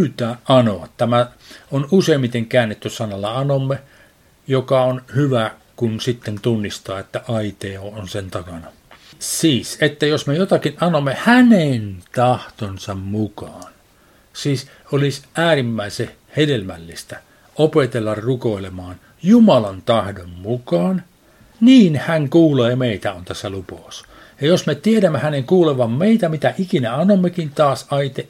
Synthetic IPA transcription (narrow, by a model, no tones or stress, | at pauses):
pːt̪æːʔɑnoɑtt̪æmæ | onuseimːit̪eŋkæːnːet̪ːyssɑnɑlːɑɑnomːe | jokɑonhyʋækunsit̪ːent̪unːist̪ɑːet̪ːæʔɑit̪eːoːonsent̪ɑkɑnɑ | siːset̪ːæjosmejot̪ɑkinʔɑnomːehænent̪ɑht̪onsɑmmukɑːn | siːs | olisʔæːrimːæˑise | hedelmælːist̪æ | opet̪elːɑrrukoilemɑːn | jumɑlɑnt̪ɑhdommukɑːn | niːnhæŋkuːleːmeit̪æont̪æsːælupɑus | jɑjosmet̪ieɾæmːehæneŋkuːleʋɑmmeit̪æmit̪æʔikinæɑnːomːekint̪ɑːsɑit̪e